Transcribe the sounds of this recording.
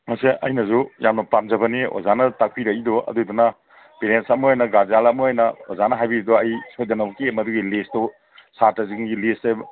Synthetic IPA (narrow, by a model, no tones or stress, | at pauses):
maseʔɐjnɐzujamnɐpamzɐbɐnio̰zanɐtak̚pʰiɾɐkidɔʔɐ̰dujdunɐ | peɾensɐmuojnɐɡazalɐmuojnɐozanɐɦajbiɾidɔɐjsojdɐnɐwkemɐduɡilistdɔ | sataziŋɡilista